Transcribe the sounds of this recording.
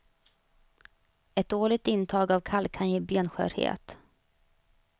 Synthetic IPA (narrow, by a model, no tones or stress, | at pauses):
ɛt̪̚d̪oːɭɪk̚t̪ɪnːt̪ʰɑːɡavkʰalkʰanjeːbeːnɧœ̰ːɾhḛːt̪